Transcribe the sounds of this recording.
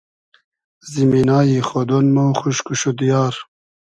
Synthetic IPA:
ziminaːjiːxod̪onmoxuʃkuʃud̪ijɑːɾ

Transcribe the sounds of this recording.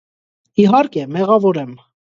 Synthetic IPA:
iɦɑɾkɛmɛʁɑvɔɾɛm

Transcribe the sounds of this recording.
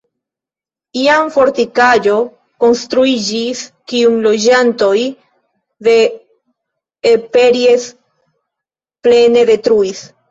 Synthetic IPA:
iamfo̞ɾtikad͡ʒo̞ | ko̞nst̪ɾuid͡ʒiskiunlo̞d͡ʒanto̞j | ðe̞ | epe̞ɾies | ple̞ne̞de̞tɾuis

